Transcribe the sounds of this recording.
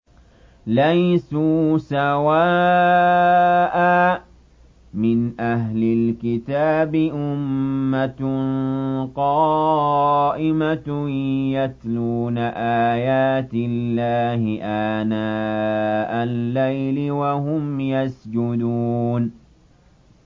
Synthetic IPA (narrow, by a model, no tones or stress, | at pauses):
lajsuːsawaː | ʔaː | mɪnʔaɦlɪlkɪt̪aːbɪʔʊmːa | qɑː | ʔɪma | jat̪luːnaʔaːjaːt̪ɪlːaːhɪʔaːnaː | ʔalːajlɪwahʊmjasd͡ʒʊd̪uːn